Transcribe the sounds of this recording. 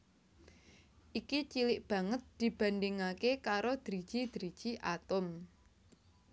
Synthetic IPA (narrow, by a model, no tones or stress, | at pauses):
ʔikit͡ʃilɪʔb̥ä̤ŋət̪̚d̪̥i̤b̥a̤nɖɪŋakekaɾod̪̥ɾid̥ʒ̥id̪̥ɾid̥ʒ̥iʔat̪ʊm